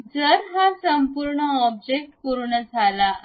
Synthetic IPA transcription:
d͡zəɾɦasəmpuɾɳəɔb̚d͡ʑek̚ʈkuɾuɳəd͡zʱala

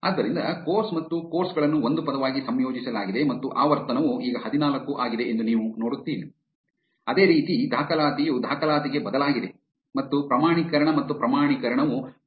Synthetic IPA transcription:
a̰ːd̪ːɐɾind̪ɐkoːɾsmɐt̪ːuko̞ːɾsɡɐɭɐnːuond̪upɐd̪ɐʋaːɡisɐmjoːd͡ʒisɐlaːɡid̪e̞mɐt̪ːuʔaːʋɐɾt̪ɐnɐʋuiːɡɐɦɐd̪inaːlɐkːuʔaːɡid̪e̞ʔend̪uniːʋunoːɽut̪ːiːli | ɐd̪e̞ːɾiːt̪id̪ʱaːkɐlaːt̪ijud̪ʱaːkɐlaːt̪iɡe̞bɐd̪ɐlaːɡid̪e̞ | mɐt̪ːupɾɐmaːɳikɐɾɐɳɐmɐt̪ːupɾɐmaːɳikɐɾɐɳɐʋu

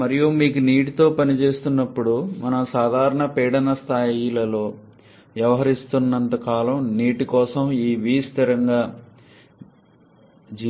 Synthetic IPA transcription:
mɐɾijumiːkuniːʈit̪o̞ːpɐnit͡ʃe̞ːst̪unːɐpːuɽumɐnɐmsaːd̪ʱaːɾɐɳɐpɛːɽɐnɐst̪ʰaːjilɐlo̞ː | ʋjɐʋɐɦɐɾist̪unːɐnt̪ɐkaːlɐmniːʈikɔːsɐmiːʋiːst̪iɾɐŋɡaː | d͡ʒi

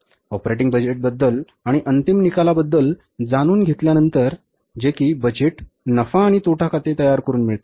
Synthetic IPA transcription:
ɔpɾeʈ̬iŋɡbəd͡ʑeʈ̚bəd̪ːəl | aɽ̃iʔənt̪imnikalabəd̪ːəl | d͡zaɽ̃uːnɡʱet̪ljanənt̪əɾ | d͡ʑekiːbəd͡ʑeʈ | nəfaːɽ̃it̪oʈʰakʰat̪et̪əjaɾkəɾuːnmiɭt̪a

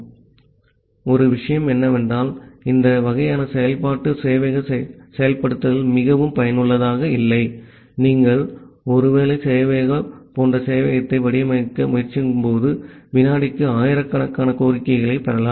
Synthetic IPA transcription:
ɔɾɯʋɪʂɐjɐmɛnːɐʋɛndraːlɪnd̪ɐʋɐɣɐjaːnɐsɛjɐlpaːʈːɯsɛjɐʋɐɣɐsɛjɐlpɐɽɯt̪ːɐðɪlmɪɣɐʋɯmpɐjɐnɯɭːɐðaːɣɐɪlːɐɪ | niːŋɡɐɭɔɾɯʋeːɭɐɪsɛjɐʋeːɣɐpoːndrɐsɛjɐʋɐɣɐt̪ːɐɪʋɐɽɪjɐmɐkːɐmʊjɐrt͡ʃːɯŋɡɯmpoːðɯʋɪnaːɽɪkːɯaːjɪɾɐkːɐɳɐkːaːnɐkoːɾɪkːɐɪɣɐɭɐɪpɐɾɐlaː

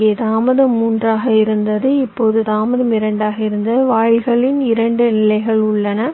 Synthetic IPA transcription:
ɡeːt̪aːmɐðɐmːuːndraːɣɐɪɾɯnd̪ɐðɯɪpːoːðɯt̪aːmɐðɐmɪɾɐɳɖaːɣɐɪɾɯnd̪ɐɯʋaːɻɣɐɭɪnɪɾɐɳɖɯnɪlɐɪɣɐɭʊɭːɐnɐ

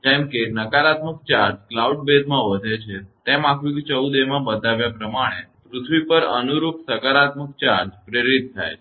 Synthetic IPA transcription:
d͡ʒɛ̃mkenəkaɾat̪mək̚t͡ʃaɾd͡ʒklauɖ̚bed̪ʱmãʋəd̪ʱet͡ʃʰet̪emãkʰʋikt͡ʃəwd̪emãbəd̪aʋjapɾəmaɽ̃epɾut̪ʰʋipəɾə̰nuɾupsəkaɾat̪mək̚t͡ʃaɾd͡ʒpɾeɾit̪ʰːa̰jʰ

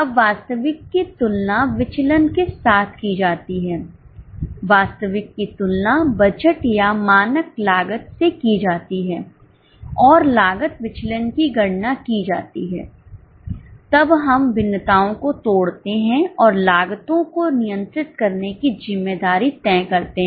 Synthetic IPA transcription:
ɐbʋaːst̪əʋɪkːit̪ʊlnaʋɪt͡ʃlənkesaːt̪ʰkid͡ʒaːt̪iɦɛː | ʋaːst̪əʋɪkːit̪ʊlnabɐd͡ʒəʈjamaːnəklaːɡət̪sekid͡ʒaːt̪iɦɛː | ɔːɾlaːɡət̪ʋɪt͡ʃlənkiɡɐɽnakid͡ʒaːt̪iɦɛ̰ː | t̪ɐbɦɐmbɪnːət̪aːõkot̪oːɽt̪eɦɛ̃ɔːɾlaːɡət̪õkonɪjə̃nt̪ɾɪt̪̚kɐɾnekizɪmːeːd̪aːɾit̪ɛ̃ːkɐɾt̪eɦɛ̃

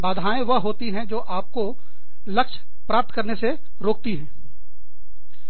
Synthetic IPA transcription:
baːd̪ʱaːẽʋɐɦoːt̪iɦɛ̃d͡ʒoːʔaːp̚ko | lɐkʃ | pɾaːp̚t̪kɐɾnese | ɾoːk̚t̪iɦɛ̃ː

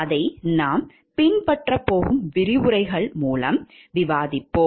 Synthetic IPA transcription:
ɐðɐɪnaːm | pɪɳpɐʈrɐpːoːɣɯmʋɪɾɪʋʊɾɐɪɣɐɭmuːlɐm | ʋɪʋaːðɪpːoː

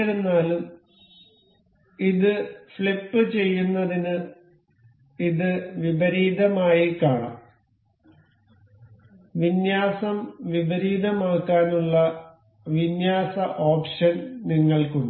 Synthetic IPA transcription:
ɾunːaːlum | iðɨfɭipːɨt͡ɕe̞jːunːɐðinɨ | iðɨʋibɐɾiːd̪ɐmaːjikaːɳa̰ːm | ʋinjaːsɐmʋibɐɾiːðɐmaːkːaːnuɭːɐ | ʋinjaːsɐʔoːpʂɐnniŋːɐɭkuɳɖɨ

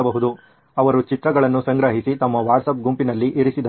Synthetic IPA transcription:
ɐbɐɦud̪u | ɐʋɐɾut͡ʃit̪ɾɐɡɐɭɐnːusɐŋɡɾɐɦisit̪ɐmːɐʋaːɖsɐp̚ɡumpinɐlːiʔiɾisid̪ɐ

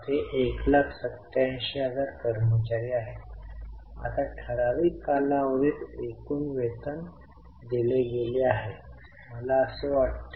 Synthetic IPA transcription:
t̪eʔeklakʰsət̪jãjɕead͡zaɾkəɾmət͡ɕaɾiaɦe | a̰t̪aʈʰəɾaʋiːkalaʋəʋiːt̪ekuːnʋet̪ən | d̪ileɡeleaɦe | məlaəsəʋaʈt̪

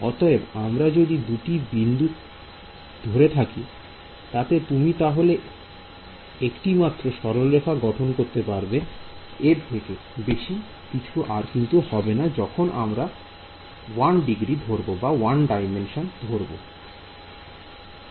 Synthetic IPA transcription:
ɔt̪ɔebamɾad͡ʑod̪id̪uʈibind̪ut̪ | d̪ʱoɾet̪ʰaki | t̪at̪et̪umit̪aɦole | ekʈimat̪ːɾoʃɔɾolːekʰaɡɔʈʰonkoɾt̪epaɾbe | eɾt̪ʰeke | beʃi | kit͡ɕʰuʔaɾkint̪uhɔbenad͡ʑɔkʰonʔamɾa | wanɖiɡɾid̪ʱoɾbobawanɖajmenʃond̪ʱoɾbo̰

